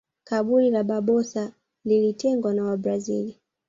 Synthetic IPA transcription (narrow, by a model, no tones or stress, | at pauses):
kaɓulilaɓaɓɔsa | lilitʰɛŋɡwanawabɾazḭli